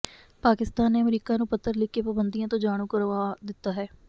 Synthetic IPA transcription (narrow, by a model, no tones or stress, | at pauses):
paːkɪst̪aːnːeːəmɾiːkaːnũːpət̪ːəɾlɪkːeːpabənd̪ijãːt̪õːd͡ʒaːɽ̃ũːkəɾʋaːd̪ɪt̪ːaːɦɛː